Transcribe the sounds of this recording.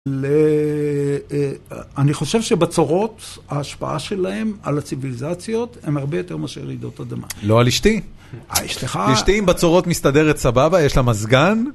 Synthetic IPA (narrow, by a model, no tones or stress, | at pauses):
le | aniχo̞ʃevʃebet͡soʁo̞t̪aːʃpa̰ʔa̰ʃe̞lahe̞malat͡sivilizat͡sjo̞t̪emaʁbe̞jo̞t̪e̞ʁmaʃeʁid̪o̞t̪ad̪ama̰lo̞aliʃt̪i | a̰iʃteχaiʃt̪iimbat͡soʁo̞t̪mist̪ad̪eʁet̪sababajeʃlamazɡan